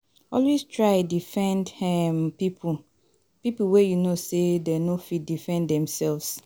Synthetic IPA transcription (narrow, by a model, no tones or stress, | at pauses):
ɔlwestʰɹaɪdifɛ̃ndɛmpipʰu | pipl̩wɛjunosedɛnofit̚difɛ̃ndɛ̃msɛlvs